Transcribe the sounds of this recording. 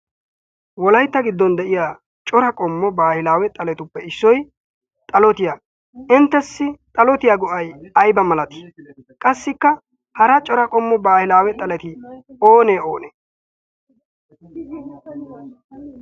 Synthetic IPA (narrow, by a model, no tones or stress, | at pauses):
wɔlɐjt̪ːɐɡɪd̪ːɔnd̪ɛʔɪjaː | t͡ʃʼɔɾɐkʼɔmːɔbaːhɪlaːwɛt̪ʼɐlɛt̪ʊpːɛɪsːɔj | t̪ʼɐlɔt̪ɪjaː | ɪnt̪ːɛsːɪt̪ʼɐlɔt̪ɪjaːɡɔʔɐjɐjbɐmɐlɐt̪ɪ̥ | kʼɐsːɪkːɐ | hɐɾɐt͡ʃʼɔɾɐkʼɔmːɔbaːhɪlaːwɛt̪ʼɐlɛt̪ɪoːneːoːneː